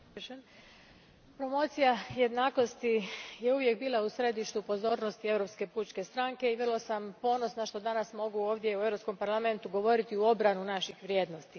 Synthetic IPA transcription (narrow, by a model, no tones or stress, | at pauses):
ʃen | pɾo̞mo̞t̪sijaje̞d̪naːko̞st̪ijeuʋje̞k̚biːlˠausɾe̞d̪iʃt̪upo̞zo̞ːɾno̞st̪ie̞ʋɾo̞pske̞puːt͡ʃke̞st̪ɾaŋke̞iʋrlˠosampo̞ːno̞snaʃt̪o̞d̪anasmo̞ɡuoːʋd̪je̞ue̞vɾo̞psko̞mpaɾlˠame̞nt̪uɡo̞ʋo̞ɾit̪iuo̞bɾanunaʃixʋɾje̞ːd̪no̞st̪i